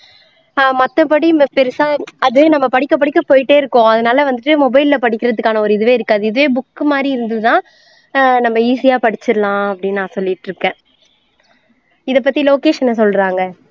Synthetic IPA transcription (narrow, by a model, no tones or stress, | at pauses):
mɐt̪ːɐpɐɽipɛɾɯsaːɐðɯʋeːnɐmːɐpɐɽɪkːɐp̬ɐɽɪkːɐpoːjɪʈːeːɪɾɯkːõɐðɐnaːlɐʋɐnd̪ɯʈːɯmɔbɐɪlːɐpɐɽɪkʲːɪɾɐðɯkːaːnɐɔɾɯɪðɯʋeːɪɾɯkːaːðɯɪðɯʋeːbʊkːɯmaːd̪ɾiɪɾɯnd̪ɐðɯt̪ãː | nɐmːɐiːsɪjaːpɐɽɪt͡ʃːɪɾlãːɐpːɐɽɪnːaːsɔlːɪʈːɾɯkːɛ̃ː | ɪðɐp̬ːɐt̪ːiloːkeːʂɐnɐsɔlːɾaːŋɡɐ